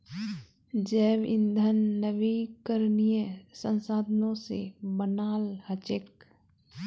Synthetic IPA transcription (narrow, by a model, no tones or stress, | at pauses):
d͡ʒɛːʋɪ̰̃nd̪ʱənːəʋikəɾnijəsə̃nsaːd̪ʱənõsebənaːlhət͡ʃek̚